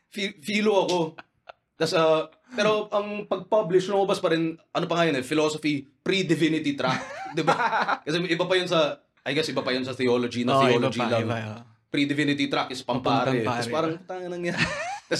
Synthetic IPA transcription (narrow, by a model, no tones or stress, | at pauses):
fifiːloɐko̞ | t̪ɐsɐ | pɛːɾo̞ʔɐŋpɐɡ̚pɐblɪʃnɐŋʔʊbɐspɐɾɪnʔɐnopɐŋaːjonɛfɪloːsofipɾid̪ɪvɪnɪt̪it̪ɾak̚d̪ɪbakɐsɛʔɪbɐpɐjʊnsɐ | ʔɐjɡɛsʔɪbɐpɐjʊnsɐθɪoːlod͡ʒinɐθɪoːlod͡ʒilɐŋ | pɾid̪ɪvɪnɪt̪it̪ɾakʔɪspɐmpaːɾɪkɐsɛpaːɾɐŋʊt̪aːŋɐnɐŋjankɐsɛ